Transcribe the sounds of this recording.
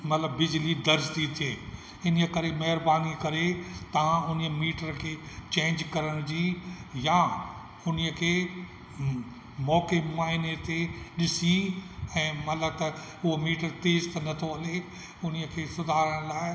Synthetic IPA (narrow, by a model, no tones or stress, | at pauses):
mɐt̪ləbːɪd͡ʑlid̪ɐɾd͡ʑt̪it̪ʰieː | ɪnəkɐɾemɐɦɪɾbaːnikɐɾet̪ɐʋ̤ãʊnəmiːʈəɾkʰeːt͡ɕẽːɲd͡ʑkɐɾəɽ̃d͡ʑiːja | ʊniəkʰeː | mɔːkemaːɪnet̪eɗɪsiɛ̃ːmɐt̪ləb̚t̪ɐ | ʊɦomiːʈəɾt̪eːzt̪ɐnɐt̪ʰoɐle | ʊn̤iəkʰeːsʊd̪ʱaːɾəɽ̃laːɪ